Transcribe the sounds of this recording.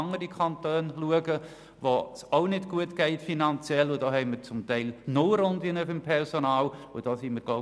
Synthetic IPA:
ŋəɾikʰɑntøːnluəɡə | vosoʊnɪdɡ̥uətɡ̥ɛɪtfinɑnt͡sjɛlʊdɑːhɛɪməɾt͡sʊmtɛɪlnoːɾondɪnəfɪmpʰɛɾsonaːlʊ̰d̥ɑːsiməɾɡlo

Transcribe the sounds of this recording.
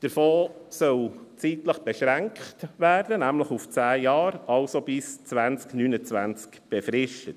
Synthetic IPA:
d̥əɾfoːsœlt͡siːtləχb̥ɛʃɾæŋkχtʋæːɾd̥ənæmləχuft͡sæːjɑːɾɑlsob̥ɪst͡sʋænt͡sknyːnət͡sʋænt͡skb̥ɛfɾɪʃtət

